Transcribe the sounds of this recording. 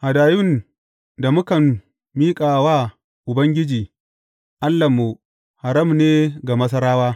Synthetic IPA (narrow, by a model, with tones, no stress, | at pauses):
ha˨daː˨jʊ˦n | da˨mʊ˦kɐ˨mː | iː˦kʼaː˨waː˦ | ʔʊ˨bɐ˦ŋɡʲɪ˦d͡ʒiː˨ | ʔa˦lːa˨mːu˨ | ha˨ɾɐ˦mneː˦ɡa˨mɐ˦s̬ɐ˦ɾaː˦waː˦